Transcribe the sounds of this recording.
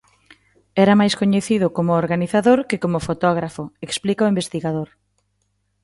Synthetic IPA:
ɛɾamajskoɲeθiðʊkomʊoɾɣaniθaðoɾkɪkomʊfot̪ɔɣ̞ɾafʊeksplikaoimbest̪iɣaðoɾ

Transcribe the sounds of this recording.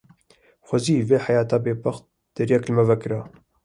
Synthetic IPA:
xʷɐziːveːħajaːt̪aːbeːbɐxt̪̚ | d̪̥ɨɾjɛklɨmɛvɛkɨɾa

